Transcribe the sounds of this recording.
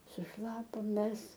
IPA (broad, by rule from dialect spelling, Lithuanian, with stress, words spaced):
sʊˈʃlˠɑːpoːm ˈmʲɛs